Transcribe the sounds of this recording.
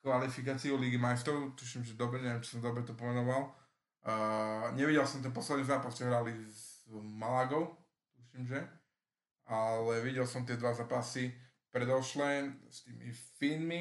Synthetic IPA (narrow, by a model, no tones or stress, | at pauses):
kʋalifikaːt͡siuliɡimajst̪ɔʊt̪uːʃimʒɛd̪ɔbɾɛɲɛʋɛmt͡ʃi̥sɔmd̪ɔbɾɛt̪ɔpɔmɛnɔʋal | ɲɛʋiɟɛlsɔmt̪̬ɛnp̬ɔslɛd̪nizaːpast͡ʃɛɦɾalizmalaɡɔʊ | t̪uːʃimʒɛ | alɛʋiɟɛlsɔmt̪̬ɪɛd̪ʋazaːpasi | pɾɛd̪ɔʃlɛst̪iːmḭfiːnmi